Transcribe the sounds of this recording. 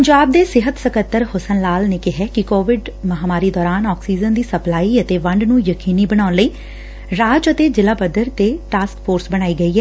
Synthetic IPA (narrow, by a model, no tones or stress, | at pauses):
pəɲd͡ʒaːb̚d̪eːsɪɦət̪səkət̪ːəɾhʊsənlaːlneːkɪɦɛːkɪkoːʋɪɖməɦaːmaːɾiːd̪ɔːɾaːnɔːksiːzənd̪iːsəplaːiːət̪eːʋəɳɖnũːjəkiːniːbəɽ̃aːʊnləiː | ɾaːd͡ʒət̪eːd͡ʒɪlaːbəd̪əɾt̪eːʈaːskpʰoːɾsbəɽ̃aːiːɡəiːɦɛː